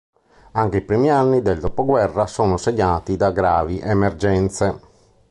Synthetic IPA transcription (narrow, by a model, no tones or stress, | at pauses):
aŋkeipɾiːmianːid̪ɛld̪opoɡwɛrːasɔːnoseɲːaːt̪id̪aɡɾaːviʔɛmɛrd͡ʒɛnt̪se